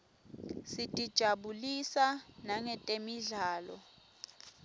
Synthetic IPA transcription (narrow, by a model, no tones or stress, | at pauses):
sitʼid̥ʒ̥ʱaɓulisanaŋɛtʼemiɮaːlɔ̰